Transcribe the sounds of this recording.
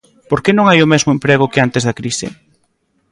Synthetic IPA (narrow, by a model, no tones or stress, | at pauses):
poɾkenõŋajʊmɛzmʊempɾeɣʊkɪant̪ezðɐkɾisɪ̰